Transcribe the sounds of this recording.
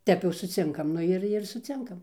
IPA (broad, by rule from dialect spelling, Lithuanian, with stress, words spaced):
ˈtʲɛp jɛʊ sʊˈt͡sʲɪŋkɐm ˈnʊ ɪr ɪr sʊˈt͡sʲɪŋkɐm